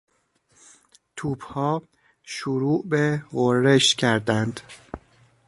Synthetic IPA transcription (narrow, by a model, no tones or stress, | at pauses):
t̪ʰuːbhɒː | ʃuɾuːʔbeɣoɾːeʃcʰæɾd̪ænd̪̥